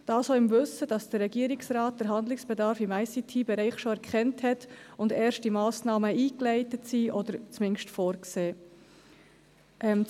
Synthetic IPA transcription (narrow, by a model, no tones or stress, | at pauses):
d̥ɑːsɔɪmvɵsəd̥ɑsd̥əɾːɛɡiəɾɪksɾɑːt̚d̥əɾɦɑnd̪lɪksb̥ɛdɑɾfɪmæɪsitʰibɛɾɛɪχʃoɛɾkχɛnthɛtʊndɛːɾʃt̚d̥imɑːsnɑːməiːklɛɪtətsiːʔɔd̥əɾt͡smɪnʃtfɔːɾkseː | ʔɛm